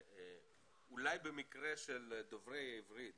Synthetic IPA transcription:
ulajbemikʁeʃeld̪ovʁeivʁid̪

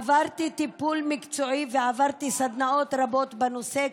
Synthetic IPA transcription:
vaʁt̪it̪ipulmikt͡so̞iveavaʁt̪isad̪nao̞t̪ʁabo̞t̪benose

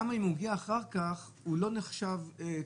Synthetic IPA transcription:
amaimhuɡiaːχaʁkaχ | ulo̞neχʃave

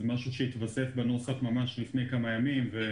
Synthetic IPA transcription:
maʃuʃeit̪vasefbanosafmamaʃlifne̞jkamajamimve

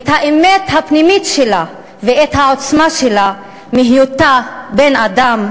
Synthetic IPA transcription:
et̪haʔemet̪hapnimitʃela | veet̪hao̞t͡smaʃe̞la | miɦijut̪abenadam

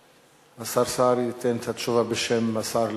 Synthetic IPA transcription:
masaɾsaɾit̪ent̪hat̪ʃuvabeʃemːasaɾl

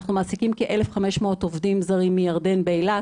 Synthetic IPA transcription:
χnumaːsikimkeʔelefχameʃmot̪ovdimzaʁimːijaʁde̞nbeːla

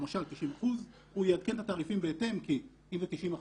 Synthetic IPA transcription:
maʃalt̪iʃimaχuz | hujead̪ke̞nt̪at̪aːʁifimbeet̪e̞mki | imzet̪iʃima

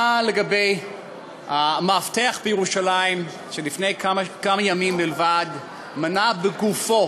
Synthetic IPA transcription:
aleɡabe̞j | hamaafteaχbejeʁuʃalaim | ʃelifnejkamakamajamimbilvad | manabeɡufo

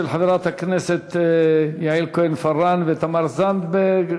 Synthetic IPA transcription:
ɪlħaðɾˤɑːt̪akneset̪jaʕiːlkonfɑrˤːɑnvɪt̪amɑɾˤzand̪b

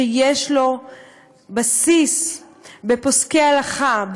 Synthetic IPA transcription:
ejeʃlo̞ | basis | be̞poskealaχab

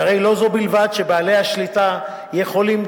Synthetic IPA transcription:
aʁe̞jlo̞zo̞bilvad̪ʃe̞baːle̞jhaʃlita | jeχo̞lim

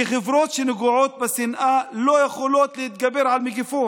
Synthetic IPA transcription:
ɪxɪvɾoːt̪ʃɪnɪɡuʕoːt̪̚bɪsɪnʔaloːjexoloːt̪lɪhɪt̪̚ɡabːeɾʕalmɪɡɪfoː

